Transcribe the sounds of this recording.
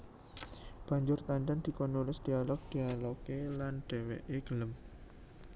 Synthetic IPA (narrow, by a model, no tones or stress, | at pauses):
b̥a̤ɲd͡ʒʊrt̪anʈ̪and̪̥i̤kɔnulɪsd̪̥i̤alɔk̚d̪̥i̤alokelanɖ̪̥e̤weʔeɡ̥ələm